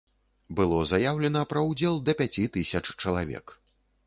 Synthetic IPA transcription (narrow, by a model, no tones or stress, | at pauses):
bɨlˠɔzajawlʲɛnɐpɾɐwd͡zʲɛlˠd̪ɐpʲat͡sʲit̪isʲɐt͡ʂt͡ʂɐlˠavʲɛ̰k